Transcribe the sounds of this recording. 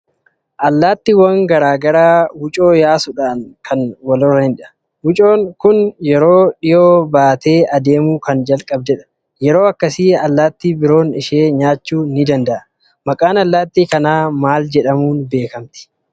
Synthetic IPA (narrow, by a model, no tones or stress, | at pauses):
ʔɐlːaːt̪ːɪwɐŋɡɐɾaːɡɐɾaːwʊt͡ʃʼo̞ːjaːsʊᶑaːnkʰɐnwɐlɔrːɐhɪnᶑɪɐ̥ | wʊt͡ʃʼo̞ːŋkʊnjɛɾo̞ːᶑɪjo̞ːbaːt̪e̞ːɐd̪e̞ːmuːkɐnd͡ʒɐlkʼɐbd̪ɛᶑɐ̥ | jɛɾo̞ːɐkːɐsiːɐlːaːt̪ːiːbɪɾo̞ːnɪʃeːɲaːt͡ʃːuːnɪd̪ɐnd̪ɐʔɐ | mɐkʼaːnɐlːaːt̪ːiːkɐnaːmaːld͡ʒɛᶑɐmuːnbe̞ːkɐmt̪ɪ̥